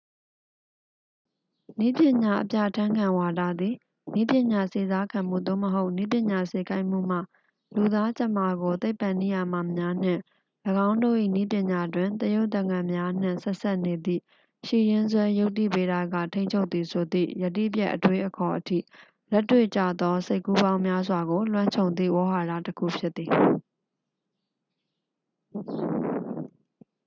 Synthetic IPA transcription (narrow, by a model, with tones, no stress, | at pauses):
ni˦pjɪ̃˨ɲa˨ʔəpja̰˦˨tʰã˦ŋkʰã˨wa˨da˦˨d̪i˨ | ni˦pjɪ̃˨ɲa˨se˨za˦kʰã˨m̥ṵ˦˨d̪o̰˦˨məɦo˦ʊni˦p̬jɪ̃˨ɲa˨se˨ka˦ɪʔm̥ṵ˦˨m̥a̰˦˨ | lu˨d̪a˦t͡ɕə˦˨ma˨ɡo˨t̪e˦ɪpːã˨ni˦˨ja˨ma˨mja˦n̥ɪ̰̃˦˨ | ləɡã˦ʊ̃ndo̰˦˨ʔḭ˦˨ni˦p̬jɪ̃˨ɲa˨dwɪ̃˨nt̪əjo˦ʊʔt̪ə̃˨ŋã˨mja˦n̥ɪ̰̃˦˨sɛ˦ʔsa˦ʔne˨d̪ḭ˦˨ | ʃḭ˦˨jɪ̃˦nzwɛ˦jo˦ʊtːi˦˨pe˦ɾa˨ɡä̰˦˨tʰẽ˦ɪ̃ɲt͡ɕʰo˦ʊt̪ːi˨sʰo˨d̪ḭ˦˨jə˨t̬ːḭ˦˨pjɛ˦ʔətwe˦ʔəkʰɔ˨ʔətʰḭ˦˨ | lɛ˦tːwḛ˦˨t͡ɕä̰˦˨d̪ɔ˦se˦ɪkːu˦bã˦ʊ̃mja˦zwa˨ɡo˨lwã˦ɲt͡ɕʰõ˨ʊ̃nd̪ḭ˦˨wɔ˦ɦa˨ɾa̰˦˨təkʰṵ˦˨pʰjɪ˦t̪ːi˨